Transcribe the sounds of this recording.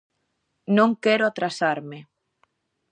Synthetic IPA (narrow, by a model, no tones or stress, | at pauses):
nõŋkɛɾoat̪ɾasaɾme